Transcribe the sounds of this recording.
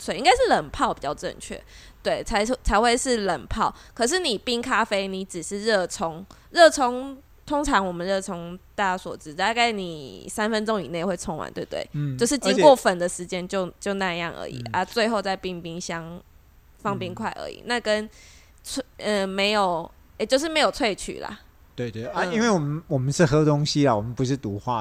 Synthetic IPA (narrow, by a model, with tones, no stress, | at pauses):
swe˥˩˨i˥ŋɡa˥ɪʂɻ̩˥˩lə˨˩npʰɑ˥˩ʊpi˨˩t͡ɕɑ˥˧ʊʈ͡ʂə̰˥˧ŋt͡ɕʰɥɛ̰˥˩t̪we˥˩ɪt͡sʰa˧˥ɪt͡sʰa˧˥ɪxwe˥˧ɪʂɻ̩˥˩lə˨˩npʰɑ˥˩ʊkʰɤ˨˩ʂ̬ɻ̩˥˩ni˨˩pi˥ŋkʰa˥fe˥ɪni˧˥ʈ͡ʂɻ̩˨˩ʂɻ̩˥˧ɻɤ˥˩ʈ͡ʂʰɔ˧˥ŋ | ɻɤ˥˩ʈ͡ʂʰɔ˥ŋ | t̪ʰo˥ŋʈ͡ʂʰɑ˧˦ŋwɔ˨˩mə˨nɻɤ˥˩ʈ͡ʂʰɔ˧˥ŋt̪a˥˩swɔ˨˩ʈ͡ʂɻ̩˧˦t̪a˥˧ka˥˩ɪnḭ˨˩sa˥nfə˦nʈ͡ʂʊ˥ŋi˨˩ne˥˩ɪxwe˥˩ɪt͡sʰʊ˧˥ŋwa̰˧˦nt̪we˥˩t̪wḛ˥˩ɪt͡ɕo˥˧ʊʂɻ̩˥˩t͡ɕi˥ŋkwɔ˥˨fə˨˩nd̪ə˨ʂɻ̩˧˦t͡ɕjɛ˦˥nt͡ɕjo˥˧ʊt͡ɕjo˥˧ʊna˥˧jɑ̰˥˩ŋʔə̰˧˦ḭ˨˩ʔə˦t͡swe˥˧ɪxo˥˧ʊt͡sa˥˧ɪpi˥˧ŋpi˥ŋɕjɑ˥ŋ | fɑ˥˨˩ŋpi˦ŋkʰwa˥˩ɪʔə̰˧˦ḭ˨˩na˥˧˩kə˦n | t͡sʰə˧me˧˥ɪjo˨˩ʊ | e˨˧˩t͡ɕjo˥˧ʊʂ̬̩˥˩me˧˥jo˨˩t͡sʰwe˥˧ɪt͡ɕʰy̰˨˩la̰˨˩ | t̪we˥˧ɪt̪we˥˩a˦i˥˦nwe˥˩ɪwɔ˨˩mə˦nwɔ˨˩mə˨nʂɻ̩˥˩xɤ˥t̪ʊ˦˥ŋɕi˦la˨wɔ˨˩mə˨˦npu˧˦ʂɻ̩˥˩t̪u˧˥xwa̰˥˨